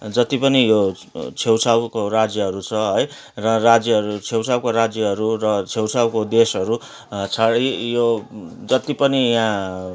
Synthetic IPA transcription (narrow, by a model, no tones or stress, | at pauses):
d͡zʌt̪ipʌnijo | t͡sʰewsawkorad͡zjʌɦʌɾut͡sʰʌɦʌj | rʌrad͡zjʌɦʌɾut͡sʰewsawkoɾad͡zjʌɦʌɾurʌt͡sʰewsawkod̪esʌɾu | t͡sʰaɽijod͡zʌt̪ipʌnijã